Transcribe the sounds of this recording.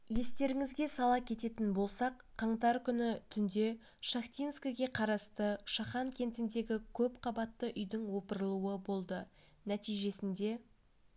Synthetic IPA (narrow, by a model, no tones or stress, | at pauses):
je̞st̪e̞ɾɪŋɪzɡʲe̞sɑlˠɑkʲʰe̞t̪e̞t̪ɪnbo̞lˠsɑqʰːɑɴt̪ɑɾkʲʰʏnɪt̪ʰʏnd̪e̞ | ʃaxt̪ʲijnskəɡʲe̞qʰɑɾɑst̪əʃɑχɑŋkʲʰe̞nt̪ɪnd̪e̞ɡʲɪkʲʰɵpqʰɑbɑt̪ːəʔʏjd̪ɪŋwo̞pəɾəlˠuwəbo̞lˠd̪ə | næt̪ijʒe̞sɪnd̪e̞